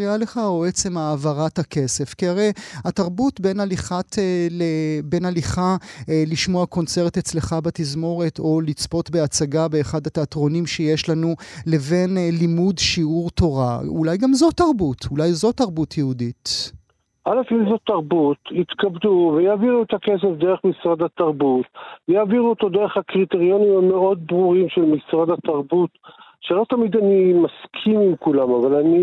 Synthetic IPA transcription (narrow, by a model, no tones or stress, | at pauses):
iale̞χaoet͡se̞maːvaʁathake̞se̞fkiaʁe̞jataʁbutbe̞naliχatelebe̞naliχaliʃmoako̞nt͡se̞ʁt̪et͡sle̞χabatizmo̞ʁe̞to̞lit͡spo̞tbe̞at͡saɡabe̞ːχad̪ateatʁo̞nimʃejeʃlanule̞ve̞nlimudʃiuʁto̞ʁa̰ṵlajɡamzo̞taʁbutʰulajzo̞taʁbutʰjehudit | ʔalefimzot̪aʁbut̪it̪kabd̪uvejaːviʁuet̪akes̬efd̪eʁeχmisʁad̪at̪aʁbut̪jaːviʁuot̪o̞d̪eʁeχakʁit̪eʁjo̞nimame̞o̞d̪̚bʁuʁimʃelmisʁad̪at̪aʁbut̪ʃelo̞t̪amid̪animaskʰimimkulamavalani